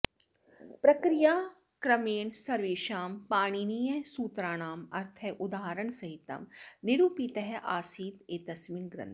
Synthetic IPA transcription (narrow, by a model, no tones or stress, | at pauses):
pɾɐkɾijaː | kɾɐmeːɳsɐɾʋeːʃaːmpaːɽ̃inijɐsuːt̪ɾaːñaːmɐɾt̪ʰɛʔʊd̪aːɦɾəɳ̃sɐɦit̪ɐ̰mnɪɾuːpit̪ɐɦɛʔaːsiːt̪eːt̪ɐsmiːnɡɾɐ̰̃nt̪ʰ